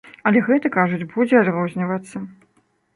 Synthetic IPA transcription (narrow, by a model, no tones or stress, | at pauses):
ɐlʲɛɣɛt̪ɐkaʐud͡zʲbud͡zʲɛad̪rɔzʲnʲivɐt̪sːɐ